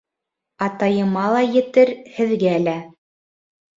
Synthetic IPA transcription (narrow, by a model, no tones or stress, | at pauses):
ɑt̪ɑjɤ̆mɑlˠɑjɘ̆t̪ɘɾhɘ̆ðɡæːlæ